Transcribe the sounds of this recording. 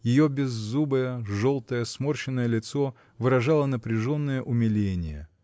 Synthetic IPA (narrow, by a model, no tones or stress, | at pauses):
jɪjobʲɪzːubɨjəʐolˠt̪əjəsmorɕɪnːəjəlʲɪt̪so | vɨɾɐʐɑlˠənəpɾʲɪʐo̞nːəjəʔʊmʲɪlʲenʲɪjə